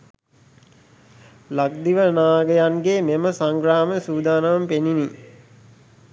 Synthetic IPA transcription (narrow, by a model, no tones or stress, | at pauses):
lakd̪iʋənaːɡəjanɡememəsaŋɡɾaːməsuːd̪aːnaʋɐmpenini